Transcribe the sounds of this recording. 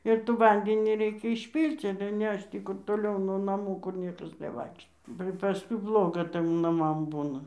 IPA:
ɪr tuː ˈʋɐnʲdʲɛnʲiː ˈrʲɛɪkʲɛ ɪʃʲˈpʲiːlʲt͡sʲ ɐlʲɛ ˈnʲɛʃt͡ʃ ˈtʲiː kʊr toːˈlʲɛʊ nuɔ nɐˈmuː kʊr ˈnʲiɛkɐs nʲɛˈʋɐɪkʃtoː bɐ pɐˈskʊɪ ˈblˠoːɡɐ ˈtɘm nɐˈmɐm ˈbuːnɐ

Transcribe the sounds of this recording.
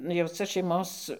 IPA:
jɛʊ t͡sɐ ʃʲɛɪˈmoːs

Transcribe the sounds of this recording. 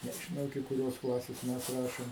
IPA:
nʲɛʒʲɪˈnɐʊ ɪkʲɪ kʊˈrʲoːs ˈklˠɑːsʲeːs ˈmʲɛs ˈrɑːʃʲɪm

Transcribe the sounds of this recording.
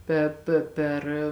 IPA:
ˈpʲɛ pʲeː ˈpʲɛr

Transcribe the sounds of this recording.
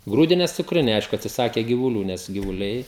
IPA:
ˈɡruːdʲɪnʲɛs t͡sʊkˈrʲɪnʲɛɪ ˈɐɪʃkʊ ɐtʲsʲɪˈsɑːkʲɛ ɡʲɪʋʊˈlʲuː ˈnʲɛs ɡʲɪʋʊˈlʲɛɪ

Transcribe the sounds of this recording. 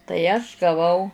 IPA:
tɐɪ ɐʃ ɡɐˈʋɐʊ

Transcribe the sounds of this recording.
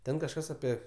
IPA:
ˈtʲɛn kɐʃˈkɐs ɐˈpʲiɛ

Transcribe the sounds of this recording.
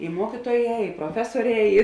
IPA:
ɪ ˈmuɔkʲiːtuɔˌjɛː ɪ proːˈfʲæːsuɔˌrʲɛː ˈɪ

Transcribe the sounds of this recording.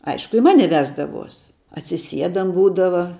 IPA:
ˈɐɪʃkʊ ɪ ˈmɑːnʲɛ ˈʋʲæːzdɐʋuɔs ɐtʲsʲɪˈsʲiɛdɐm ˈbuːdɐʋɐ

